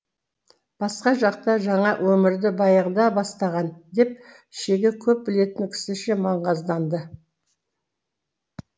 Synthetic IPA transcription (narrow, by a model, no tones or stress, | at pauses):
b̥ɑsqɑʒɑq̚t̪ɑʒɑɴɑwʔɵmɪɾd̪ɪbɑjəʁd̪ɑbɑst̪ɑʁɑnd̪e̞p̚ | ʃeɡʲe̞kʲʰɵp̚bɪle̞t̪ɪŋkʲʰɪ̥sɪʃemɑɴʁɑzd̪ɑnd̪ə